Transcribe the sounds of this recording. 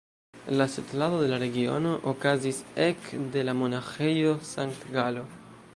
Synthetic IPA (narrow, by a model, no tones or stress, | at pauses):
laset̪laðoðe̞laɾe̞ɡio̞̰noʔokazisekd̪e̞lamonaxejosaŋkt̪ɡalo̞